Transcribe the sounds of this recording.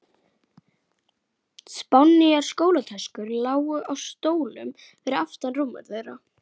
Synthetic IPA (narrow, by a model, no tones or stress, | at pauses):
spawnːiaɾ̥skoːwlat̪ʰɛskʏɾlaːwʏʔawst̪oːwlʏm | vɛɾɪʏaft̪anrumːa̰ɾθejɾa